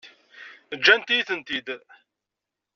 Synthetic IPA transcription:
əd͡ʒːænt̪ijθənt̪id̪

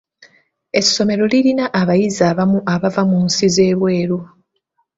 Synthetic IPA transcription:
e̞sːo̞me̞ɾo̞liɾinaʔːβajizaːβamuʔaβavamunsize̞ːβwe̞ːɾo

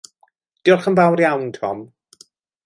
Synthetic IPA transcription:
d̥ɪʊrχənvawrjawntʰɔ̰m

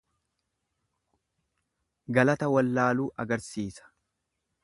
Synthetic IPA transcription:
ɡɐlɐt̪ɐwɐlːaːluːʔɐɡɐɾsiːsɐ̥

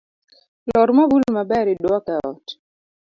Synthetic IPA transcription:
lɔɾmɔbulmabɛɾidwakaɔ̰t

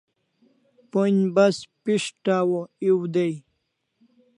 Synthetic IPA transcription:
ponbɐspiʂʈaːwoiwd̪ej

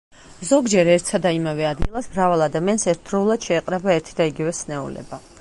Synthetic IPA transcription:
zɔɡd͡ʒɛɾɛɾt̪ʰsad̪aimavɛad̪ɡilˠasmɾavalˠad̪amiansɛɾt̪̚ʰb̥ɾɔulˠad̪̥ʃɛːqʼɾɛbaɛɾt̪ʰid̪aiɡivɛsnɛṵlɛ̰ba

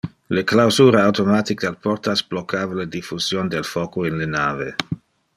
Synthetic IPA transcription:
leklawzuːɾaawt̪omat̪ik̚d̪alpɔrt̪asblokʰːaːvaled̪ifuzjond̪elfokoinlenaːve

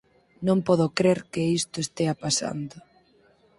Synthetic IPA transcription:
nõmpɔðokɾeɾkɪist̪oest̪eapasa̰nd̪ʊ

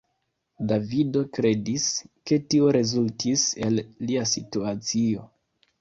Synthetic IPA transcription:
davido̞kɾe̞diske̞tio̞ɾe̞zultʰise̞lːiasituat͡sio̞

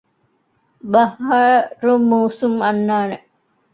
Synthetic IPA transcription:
bɐhaɾumːuːsumɐnːaːne

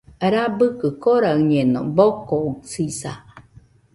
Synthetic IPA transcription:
ɾabɯkɯkoɾaɯɲeno̰bokousisa̰

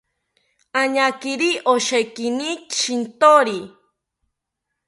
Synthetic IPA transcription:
aɲakiɾiʔoʃejkinit͡ʃint̪oɾi

